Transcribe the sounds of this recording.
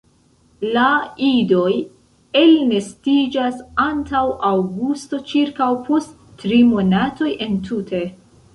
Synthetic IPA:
laido̞j | elne̞stid͡ʒasantawʔawɡusto̞t͡ʃiɾkawpʰo̞stː | ɾimo̞nato̞jʔe̞ntʰutʰe̞

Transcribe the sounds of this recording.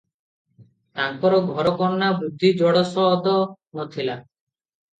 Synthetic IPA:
t̪aŋpɔɾɔɡʱɔɾɔkɔɾnabud̪ʱːid͡ʒɔɽɔsɔɦɔd̪ɔ | nɔt̪ʰila

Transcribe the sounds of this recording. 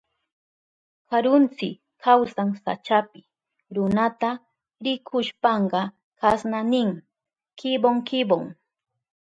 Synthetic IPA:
kaɾʊnt͡sɪk | kʰawsaŋsa̰t͡ʃapɪ | ɾʊnat̪a | ɾɪkʰʊʃpɑɴɢɑ | kasnanɪŋ | kɪboŋkɪboŋ

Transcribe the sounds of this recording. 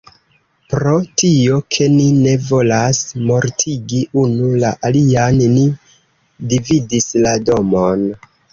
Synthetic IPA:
pɾo̞tio̞kʰe̞nine̞vo̞lasmo̞ɾtʰiɡiʔunulaʔalianni | dividislado̞mon

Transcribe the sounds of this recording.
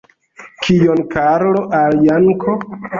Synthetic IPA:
kʰijonkaɾloʔaljaŋkʰo

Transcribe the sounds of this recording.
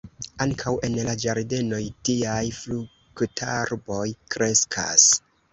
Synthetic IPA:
aŋkʰawe̞nlad͡ʒaɾde̞no̞jtiajflu | ktʰaɾbo̞jkɾe̞skʰa̰s

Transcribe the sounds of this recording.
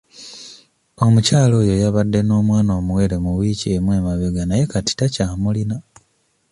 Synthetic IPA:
o̞mucaːlo̞ːjo̞jaβadːe̞no̞ːmwaːno̞ːmuwe̞ɾe̞muwiːciemwe̞ːmaβeɡanaje̞kati̥tacaːmulina

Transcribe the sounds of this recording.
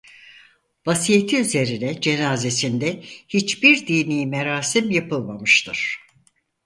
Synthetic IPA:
vasijet̪ʰiyze̞ɾinɛd͡ʒe̞naːze̞sind̪ɛhit͡ʃbiɾd̪iːnijmeɾaːsimjapɯlˠmamɯʃt̪ʰɯɾ̥

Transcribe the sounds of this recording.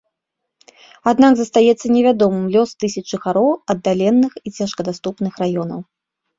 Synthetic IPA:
ad̪naɡzɐst̪ajɛt̪sːɐnʲɛvʲad̪ɔmɨmlʲɔst̪ɨsʲɐɨxaɾɔwɐd̪ːalʲɛnːɨxit͡sʲaʂkɐd̪ast̪upnɨxrajɔnɐ̰w

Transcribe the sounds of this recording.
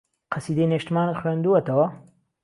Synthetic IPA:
qʰɐsiːd̪ejneːʃt̪maːnɨt̪xwɥeːnd̪uɐt̪ɐwɐ

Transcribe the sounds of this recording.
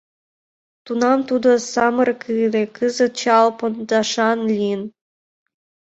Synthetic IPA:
t̪unɑmt̪ud̪ŏsɑmɤrkʰɯlekɨzə̆t̪̚t͡ɕɑlpond̪ɑʃɑnlʲiən

